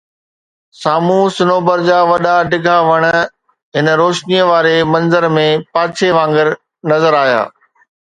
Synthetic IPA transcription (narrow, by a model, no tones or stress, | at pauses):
saːmũsɪnoːbəɾd͡ʑaːʋɐɗaɖɪɡʱaʋɐɽ̃ə | ɦɪnɾoːʃnijəʋaːɾemɐ̃nzəɾmẽpaːt͡ɕʰeʋãːŋɡəɾ | nɐzəɾaːja̰ː